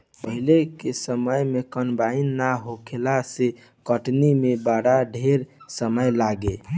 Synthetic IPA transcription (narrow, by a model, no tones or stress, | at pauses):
pəɦilekesəməjmekənbainːaɦokʰelase | kəʈnimebaɽaɖʱeɾsəməjlaɡe